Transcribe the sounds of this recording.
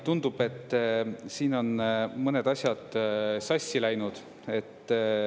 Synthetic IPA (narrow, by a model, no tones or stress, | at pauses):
t̪und̪̥ub̥e̞t̪ːsiːno̞nmɤned̪̥ɑsʲjɑd̪̥sɑsʲːilæjnud̪̥ | e̞t̪ː